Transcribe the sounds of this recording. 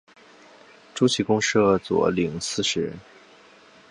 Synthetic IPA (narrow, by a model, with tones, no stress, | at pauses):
ʈ͡ʂu˥t͡ɕʰi˧˥kʊ˥ŋʂɤ˥˩t͡swɔ̰˨˧˥li˨˩ŋsɹ̩˥˩ʂɻ̩˧˥